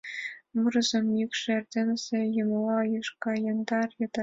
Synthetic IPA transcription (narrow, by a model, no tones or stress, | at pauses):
murɤ̆zemjikʂrʲd̪ʲenʲzʲĕjɤ̆mlɑjɤʂkɑjɑnd̪ɑrjɤ̆d̪ɑ